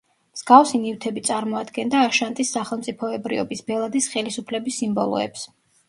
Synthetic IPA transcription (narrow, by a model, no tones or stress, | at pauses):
mz̥ɡafsinift̪ʰɛbit̪sʼaɾmɔad̪ɡɛnd̪aːʃant̪ʼisːaχɛlˠmt̪sʼipʰɔɛbɾḭɔ̰bisbɛlˠad̪isχɛlisupʰlɛbisːimbɔlˠɔ̰ɛ̰ps